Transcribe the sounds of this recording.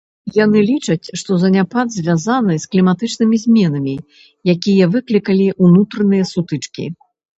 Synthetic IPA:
janɨlʲit͡ʂɐt͡sʲʂt̪ɔzɐnʲapad̪zʲvʲjazanɨsklʲimat̪ɨt͡ʂnɨmʲizʲmʲɛnɐmʲi | jakʲijɐvɨklʲikɐlʲiʔunut̪ɾɐnɨjɐsut̪ɨt͡ʂkʲḭ

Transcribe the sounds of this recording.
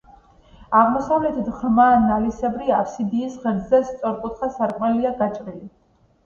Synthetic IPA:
aʁmɔsavlɛt̪ʰid̪ʁmaːnalisɛbɾiapsid̪iːsʁɛɾd̪zɛst̪sʼɔɾkʼut̪ʰχasaɾkʼmɛliaɡat͡ʃʼɾili

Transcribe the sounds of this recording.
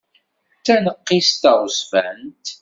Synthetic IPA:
t͡sːænəqːist̪əʁsfænt̪

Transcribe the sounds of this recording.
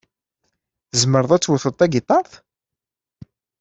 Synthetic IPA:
əzməɾðˤæt͡sːwəθət̪ːæɡit̪ˤɑɾˤθ

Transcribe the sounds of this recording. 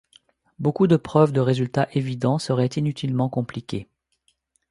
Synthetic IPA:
bokud̪əpχœvd̪əʁezylt̪aʔevid̪ɑ̃səʁɛt̪inyt̪ʰilmɑ̃kɔ̃plikʲe

